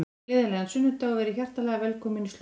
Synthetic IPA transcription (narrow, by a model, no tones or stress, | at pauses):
lɪːðalɛɣansʏnːʏt̪aɔvɛːɾɪçar̥t̪alɛɣavɛlkʰɔmɪnːs